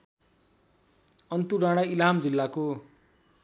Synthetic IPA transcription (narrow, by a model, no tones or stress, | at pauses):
ʌnt̪uɾaɽ̃ailamd͡zilːako